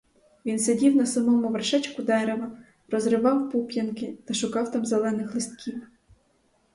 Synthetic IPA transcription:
ʋʲinsedʲiwnɐsɐmɔmʊʋerʃɛt͡ʃkʊd̪ɛɾeʋɐ | ɾɔzɾɪʋɑwpupʲjɐnkɪt̪ɐʃʊkɑwt̪ɑmzelˠɛnɪxlˠɪst̪̚kʲʰiw

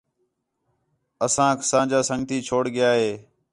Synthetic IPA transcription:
əsãːkʰsãːd͡ʒaːsəŋɡt̪iːt͡ʃʰoːɽɡɪjaːɦeː

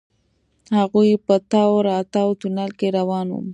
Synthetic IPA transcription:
haɣujpət̪awɾɑt̪awt̪unalkeɾawɑnwṵm

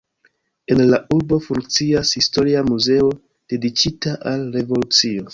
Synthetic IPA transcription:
e̞nlaʔuɾbo̞fuŋk̚t͡siashisto̞ɾiamuze̞o̞ | d̥e̞dikitaʔalɾe̞vo̞lut͡sio̞

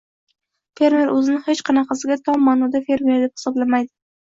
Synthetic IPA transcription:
fe̞ɾmeɾʔɵzɪnɪhet͡ʃqʰɑnɑqʰɑsɪɡʲat̪ʰɒmːanɒd̪afe̞ɾme̞ɾd̪ep̚hɪ̥sɒblamajd̪ɪ

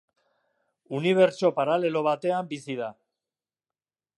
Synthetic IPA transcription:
uniβ̞e̞ɾt͡ʃo̞paɾale̞lo̞β̞at̪e̞ambisiða

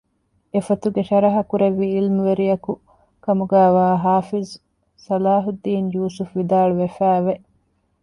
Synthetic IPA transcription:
efɐt̪uɡeʃɐɾɐɦɐkuɾeʋːiilmuʋeɾijɐku | kɐmuɡæːʋaːɦaːfiz | sɐlaːɦud̪ːiːnjuːsufʋid̪aːɭuʋefæːʋe

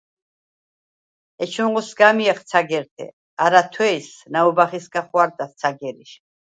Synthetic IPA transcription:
ɛt͡ʃʰuʁusɡamiɛχt̪sʰaɡɛɾt̪ʰɛ̰ | aɾat̪ʰwɛisnaubaχisɡaχwaɾt̪ʼast̪sʰaɡɛɾiʃ

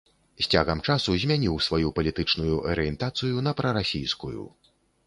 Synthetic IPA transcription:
sʲt͡sʲa̰ɣɐmt͡ʂasuzʲmʲanʲiwsvajupɐlʲit̪ɨt͡ʂnujuʔɐ̰ɾɨjɛnt̪at̪sɨjunɐpɾɐɾasʲijskujṵ

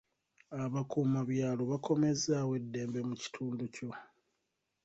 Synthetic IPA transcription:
aβakuːmaβjaːlo̞βako̞me̞zawe̞dːe̞ːmbe̞muci̥tʰuːnduco̞

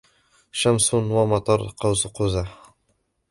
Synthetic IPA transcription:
ʃamsunwamɑt̪ˤɑɾˤqɑwzquza

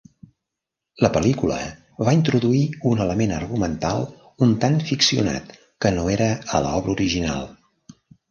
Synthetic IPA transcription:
ləpəlikulə̰ | βaint̪ɾuðuiunələmenərɣumənt̪alˠ | unt̪anfiksiuna̰t̪ | kənoeɾəələ̰ɔβɾəuɾiʒina̰lˠ

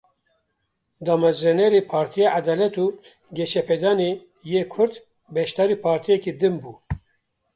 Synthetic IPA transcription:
d̪ɑːmɛzɾɛnɛɾeːpʰɑːɾt̪ʰijead̪ɑːlɛt̪uː | ɡʲɛʃɛpʰɛd̪ɑːne | jeːkʰʊɾd̪ | bɛʃt̪ɑːɾiːpʰɑːɾt̪ʰijɛkiːd̪ɨmbuː

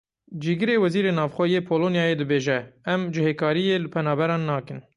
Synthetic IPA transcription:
d͡ʒiːɡɨɾeːwɛziːɾeːnɑːvxʷɛjeːpʰoːloːnjɑːjeːd̪ɨbeːʒɛɛmd͡ʒɪheːkʰɑːɾijeːlɨpʰɛnɑːbɛɾɑːnːɑːkɨn

